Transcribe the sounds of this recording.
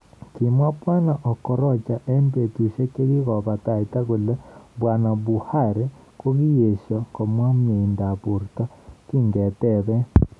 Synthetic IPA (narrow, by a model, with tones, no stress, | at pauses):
ki˨mwa˦pwa˦na˨ʔɔ˨kɔ˨ɾɔ˦˨t͡ʃa˨ʔe˦mbe˨ti˨ʃe˦ke˦ɾi˦ɣɔ˨βa˨ta˨i˨ta˦ɣu˨lɛ˦bwa˨na˨βu˨ha˦˨ɾe˦ | ko˦ɣi˦je˨ʃjɔ˨ko˨mwa˦mi˨nda˨βu˨ɾtɔ˦ki˦˨ŋɡɛ˨tɛ˦˨βɛ˦